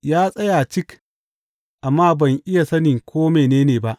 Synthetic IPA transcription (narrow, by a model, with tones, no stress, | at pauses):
jaː˦sʼɐ˦jaː˨t͡ʃɪ˦k | ʔa˨mːaː˦bɐ˨ŋʔɪ˦ja˨sɐ˦nɪ˨ŋkʷʰoː˦meː˨neː˦neː˨ba˦ʔ